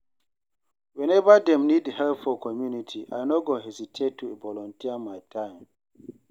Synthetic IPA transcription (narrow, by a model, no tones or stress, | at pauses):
wɛ̃nɛvadɛ̃mnidhɛlpfɔkɔmjunitʰiʔa̰jnoɡoɦɛzitʰettʰːuvɔlɔ̃ntiamajtʰãjm